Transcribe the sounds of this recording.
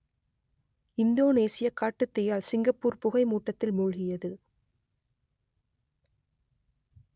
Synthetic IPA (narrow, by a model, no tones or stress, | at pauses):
ɪnd̪oːneːsɪjɐkaːʈːɯt̪ːɛjaːlsɪŋɡɐpːuːɾpʊɣɐɪmuːʈːɐt̪ːɪlmʊɻɣɪjɐðɯ